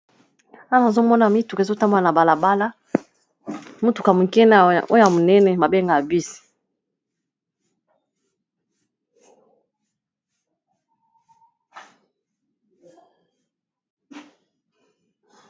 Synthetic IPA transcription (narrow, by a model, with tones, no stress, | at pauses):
a˦˨na˨zo˦mɔ˦na˨mi˦tu˨kzo˦ta˦mba˦˨na˨ba˨la˨ba˦la˦ | mu˦tu˨ka˨mu˨kɛ˦na˦˨o˦o˦ja˨mo˨nɛ˦nɛ˨ba˨be˦ŋɡa˨bi˦si̥˨